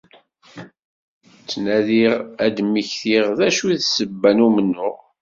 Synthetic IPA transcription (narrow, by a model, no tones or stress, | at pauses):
t͡sːnæðiʁæd̪miçθiʁðæʃuðsəbːænumənːʊʁ